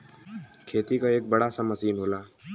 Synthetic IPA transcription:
kʰeːt̪ikaeːk̚bɐɽasɐməsiːnɦoːlaː

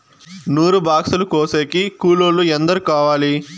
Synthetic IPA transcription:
nuːɾubaːksulukoːseːkikuːloːlːuɛnd̪ɐɾukaːʋaːli

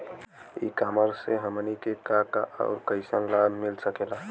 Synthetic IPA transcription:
ḭkaːməɾseɦəmənikekakaʔɔ̰ːʊɾkəɪsəŋlamɪlsəkela

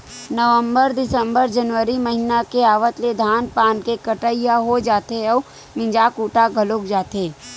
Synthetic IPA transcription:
nəʋə̃mbəɾd̪ɪsə̃mbəɾd͡ʒənʋəɾimɐɦɪnakeaːʋət̪led̪ʱaːnpaːnkekəʈəijaɦod͡ʒaːt̪eɔː | mɪ̃d͡ʒaːkuːʈaɡʱɐlokd͡ʒaːt̪eː

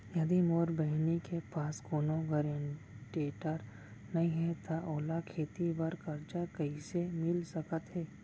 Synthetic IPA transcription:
jɐd̪imoːɾbəɦɪnekepaːskoːnoɡəɾeɳ | ʈeːʈəɾ | nɐɦĩɦɛt̪ʰaʔoːlakʰeːt̪ibɐɾkɐɾt͡ʃakɐisemɪlsɐkət̪ɦɛː

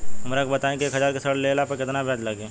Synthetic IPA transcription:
ɦɐmɾakobɐt̪aẽkieːkɦɐd͡ʒaːɾkesɐɽleːlapɐkɪt̪nabʱjaːd͡ʒlɐɡeː

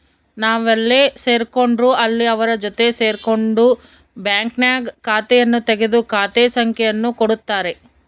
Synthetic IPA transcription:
naːʋɐlːese̞ːɾko̞ɳɖɾuɐlːiɐʋɐɾɐd͡ʒot̪e̞se̞ːɾko̞ɳɖu | bjaːŋknjaːɡkaːt̪ɛjɐnːut̪eɡe̞d̪ukaːt̪esɐŋkʰɛjɐnːukoɽut̪ːaːɾe̞

